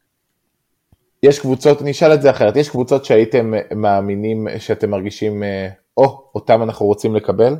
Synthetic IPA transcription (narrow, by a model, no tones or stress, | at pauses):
jeʃkvut͡so̞tniʃalezeaχe̞e̞tjeʃkvut͡so̞tʃeaite̞mːaːminimʃeate̞mːaʁɡiʃim | o̞otamanaχnuʁo̞t͡simle̞kabe̞l